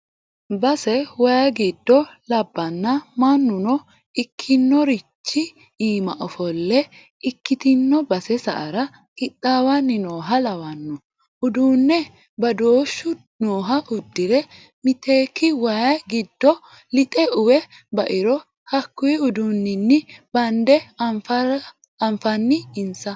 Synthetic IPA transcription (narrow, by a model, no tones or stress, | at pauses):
bɐsɛwɐjɐɡid̪ːɔlɐbːɐnːɐmɐnːʊnɔ | ɪkʰːɪnːɔɾɪt͡ʃːɪ | iːmɐʔɔfɔlːɛ | ɪkːɪt̪ɪnːɔbɐsɛsɐ̰ʔɐɾɐ | kʼɪt̪ʼːaːwɐnːɪnoːɦɐlɐwɐnːɔ | ʔʊd̪uːnːɛ | bɐd̪oːʃːʊ | noːɦɐʔʊd̪ːɪɾɛ | mɪt̪eːkːɪwajɡɪd̪ːɔ | lɪt̪ʼɛʊwɛ | bɐʔɪɾɔ | hɐkːʊjɪʊd̪uːnːɪnːɪb̥ɐnd̪ɛ | ɐɱfɐnːɪɪnsɐ